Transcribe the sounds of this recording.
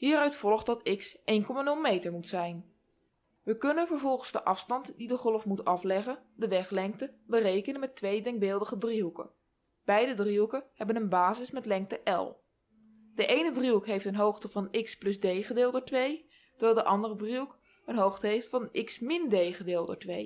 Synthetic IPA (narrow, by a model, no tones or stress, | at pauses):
ɦiːɾœɥtfɔlˠχtdɑtɪksʔejnkɔmanɵlˠmejtəɹmutsɛjn | ʋəkɵnənvəɹvɔlˠχənz̥dəʔɑfstɑntdidəχɔlˠfmutɑflɛχəndəʋɛχlɛŋk̚təbərejkənənmɛtʋejdɛŋɡ̚bɪːlˠdəχədriɦukə̰ | b̥ɛjdədriukəhɛbənənbaːzɪsmɛtlɛŋk̚təʔɛ̰lˠ | d̥əʔejnədriɦukɦejftənɦowχtəvɑnɪksplɵsdejχədɪːlˠdətʋej | təʋɛlˠdəʔɑndərədriuk | ənɦowχtəɦejftfɑnʔɪksmɪndejχədɪːlˠdətʋḛj